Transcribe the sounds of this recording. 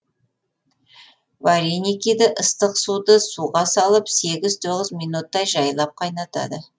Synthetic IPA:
vaɾinikʲid̪ɪʔəst̪əqsud̪əsuʁɑsɑlˠəpse̞ɡʲɪzt̪ʰo̞ʁəzmijnut̪ːɑjʒɑjəlˠɑp̚qʰɑjnɑt̪ɑ̰d̪ə

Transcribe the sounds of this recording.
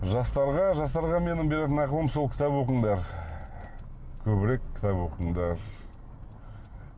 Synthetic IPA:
ʒɑst̪ɑɾʁɑʒɑs̬t̪ɑɾʁɑme̞nɪmbe̞ɾe̞t̪ɪnɑjqəlˠəmso̞lˠkʲʰɪ̥t̪ɑpwo̞qəɴd̪ɑɾ | kʲʰɵβɪɾekʲʰːɪ̥t̪ɑpwo̞qəɴd̪ɑɾ

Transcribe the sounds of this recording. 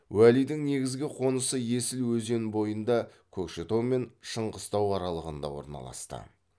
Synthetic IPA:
wælijd̪ɪŋne̞ɡʲɪzɡʲɪqʰo̞nəsəje̞sɪlwɵze̞nbo̞jənd̪ɑkʲʰɵkʃet̪o̞me̞nʃəɴʁəst̪ɑwɑɾɑlˠəʁənd̪ɑ̰wo̞̰ɾnɑ̰lˠɑ̰st̪ə̰

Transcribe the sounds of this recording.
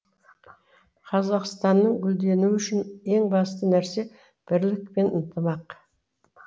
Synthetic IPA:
qʰɑzɑqst̪ɑnːəɴɡʲʏld̪e̞nuʏʃɪne̞ŋbɑst̪ənæɾse̞ | b̥ɪɾlɪkpe̞nənt̪ʰəmɑq

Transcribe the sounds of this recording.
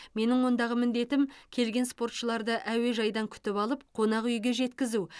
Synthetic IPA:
me̞nɪŋwo̞nd̪ɑʁəmɪnd̪e̞t̪ɪmkʲʰe̞lɡʲe̞nspo̞rt̪ʃəlˠɑɾd̪əʔæwe̞ʒɑjd̪ɑŋkʲʰʏ̥t̪ɪpɑlˠəp̚qʰo̞nɑqʏjɡʲe̞ʒe̞t̪kʲɪzu

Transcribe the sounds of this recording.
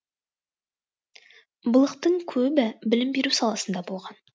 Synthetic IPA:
bəlˠəqt̪əɴkʲʰɵbɪbɪlɪmbeɾʉwsɑlˠɑsənd̪ɑbolˠʁɑn

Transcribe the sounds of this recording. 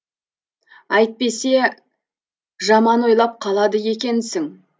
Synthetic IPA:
ɑjt̪̚pe̞se̞ | ʒɑmɑnwo̞jlˠɑp̚qʰɑlˠɑd̪əje̞kʲe̞nsɪŋ

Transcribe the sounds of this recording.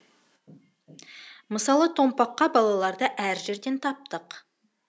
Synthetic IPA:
məsɑlˠət̪ʰo̞mpɑqːɑbɑlˠɑlˠɑɾd̪əʔæɾʒe̞ɾd̪e̞nt̪ʰɑp̚t̪əq

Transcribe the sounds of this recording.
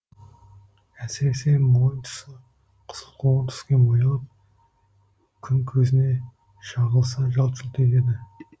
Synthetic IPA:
æsɪɾe̞se̞mo̞jənt̪ʰʊ̥sə | qʰə̥səlˠqʰoʁənt̪ʰʏ̥skʲe̞mojɑlˠəp̚ | kʲʰʏŋkʲʰɵzɪne̞ | ʃɑʁəlˠsɑʒɑlˠʃʰʊlˠt̪et̪e̞d̪ɪ

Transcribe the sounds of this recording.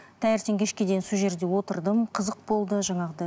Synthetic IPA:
t̪ʰæjɪɾt̪eŋkʲʰe̞ʃkʲe̞d̪e̞jinsuʒe̞ɾd̪e̞wo̞t̪əɾd̪əmqʰəzəq̚bo̞lˠd̪əʒɑɴɑʁd̪ɑ

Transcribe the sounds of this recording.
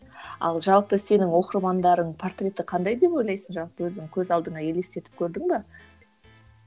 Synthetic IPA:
ɑ̰lˠʒɑlˠpəse̞nɪŋwo̞qəɾmɑnd̪ɑɾəɴpʰo̞rt̪rʲe̞t̪ɪqʰɑnd̪ɑjd̪e̞po̞jlˠɑjsənʒɑlˠpəwɵzɪŋkʲʰɵzɑlˠd̪əɴɑje̞lest̪e̞t̪ɪ̥p̚kʲʰɵɾd̪ɪŋbɑ

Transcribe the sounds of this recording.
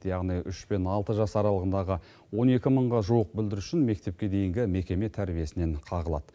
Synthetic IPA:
jɑʁnijʏʃbe̞nɑlˠt̪əʒɑsɑɾɑlˠəʁənd̪ɑʁə | wo̞ne̞kʲɪməɴʁɑʒuwəq̚bɪld̪ɪɾʏ̥ʃɪnme̞k̚t̪e̞p̚kʲe̞d̪e̞jɪŋɡʲɪme̞kʲe̞me̞t̪ʰæɾbije̞sɪne̞ɴqʰɑʁəlˠɑ̰d̪̥ə

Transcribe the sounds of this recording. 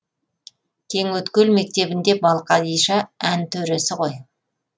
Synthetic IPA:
kʲʰe̞ŋwɵt̪kʲelme̞k̚t̪e̞bɪnd̪e̞bɑlˠqɑd̪ijʃɑænt̪ʰɵɾe̞sɪʁo̞j

